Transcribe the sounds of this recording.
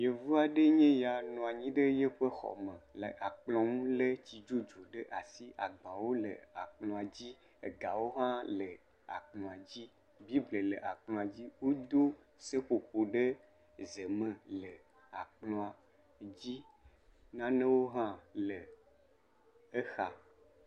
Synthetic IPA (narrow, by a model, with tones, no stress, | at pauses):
je˨vu˦a˨ɖe˦ɲẽ˦ja˨nɔ̃˨a˨ɲĩ˦ɖə˦je˦ɸə˦xɔ̰˨mə̃˨lə˨ʔa˨k͡plɔ̃˨ŋũ˦le˦t͡ɕi˨d͡ʒo˦d͡ʒo˨ɖə˦ʔa˨si˦ʔa˨ɡ͡bã˨wo˦lə̰˨a˨k͡plɔ̃˨a˨d͡ʑi˦ | e˨ɡa˨wo˦ɦã˦lə˨ | a̰˨k͡plɔ̃˨a˨d͡ʑi˦ | bi˦blə˨lə˨ʔa˨k͡plɔ̃˨a˨d͡ʑi˦wo˦d̪o˦ | se˦ɸo˨ɸo˨ɖə˦ | zə˨mə̃˨lə˨ | a̰˨k͡plɔ̃˨a˨ | d͡ʑi˦ | nã˦nə̃˦wo˦ɦã˦lə˨ | e˦xa˨